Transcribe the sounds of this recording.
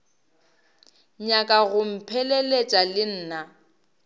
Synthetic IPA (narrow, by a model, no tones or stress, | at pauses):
ɲakʼaɣʊm̩pʰɛlelet͡ʃʼalɪn̩ːna